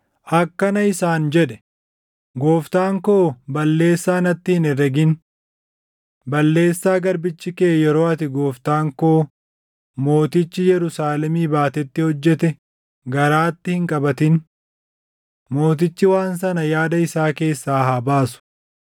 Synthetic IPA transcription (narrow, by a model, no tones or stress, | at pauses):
ʔɐkːɐnɐɪsaːnd͡ʒɛᶑɛ̥ | ɡo̞ːft̪aːŋkoːbɐlːe̞ːsːaːnɐt̪ːɪhɪnɛrɛɡɪn | bɐlːe̞ːsːaːɡɐɾbɪt͡ʃːɪkeːjɛɾo̞ːɐt̪ɪɡo̞ːft̪aːŋkoː | mo̞ːt̪ɪt͡ʃːɪjɛɾʊsaːlɛmiːbaːt̪ɛt̪ːɪhɔd͡ʒːɛt̪ɛ | ɡɐɾaːt̪ːɪhɪŋkʼɐbɐt̪ɪn | mo̞ːt̪ɪt͡ʃːɪwaːns̬ɐnɐjaːd̪ɐɪsaːke̞ːsːaːɦaːbaːsʊ̥